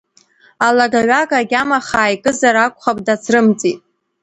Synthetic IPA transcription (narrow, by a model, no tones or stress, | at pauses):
alaɡaɥakʼaɡʲamaχaːjkʼɨzaɾakʷʰʼχapʼdat͡sʰrɨmt͡sʼitʼ